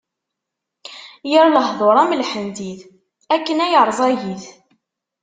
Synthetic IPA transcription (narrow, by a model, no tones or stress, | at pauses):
jiɾləhðˤoɾˤæmlħənd̪iθ | ækːənæjəɾˤzˤæjiθ